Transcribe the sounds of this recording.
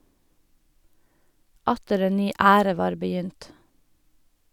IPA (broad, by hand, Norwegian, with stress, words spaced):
ˈɑtəɾ ˈeːn ˈnyː ˈæːɾə ˈʋɑːɾ bəˈjʏnt